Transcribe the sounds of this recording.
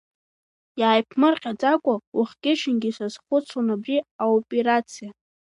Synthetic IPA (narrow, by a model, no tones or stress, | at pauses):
jaːjpʰmɨrqʲʼad͡zʼakʷʼawʊχʲɡʲɪʃʰɪnɡʲisaz̥χʷʊt͡sʰonabriaopʼeɾat͡sʰija